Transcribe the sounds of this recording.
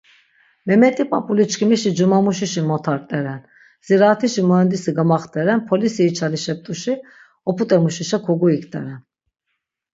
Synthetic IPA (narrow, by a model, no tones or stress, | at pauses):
mɛmɛt̪ipʰʼapʼulit͡ʃkimiʃid͡ʒumamuʃiʃimot̪ʰaɾt̪ɛɾɛn | z̥iɾaːt̪ʰiʃimɛnd̪isiɡamaχt̪ʰɛɾɛnpʰolisijit͡ʃʰaliʃɛp̚t̪uʃi | oput̪ʼɛmuʃiʃakʰoɡuikt̪ʰɛ̰ɾɛn